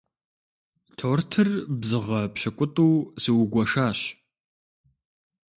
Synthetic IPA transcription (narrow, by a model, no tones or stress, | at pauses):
tʰoːrtʰɨrbzɨʁɐpʃɐkʷʼʊtʼuːsiwɡʷɐʂaːɕ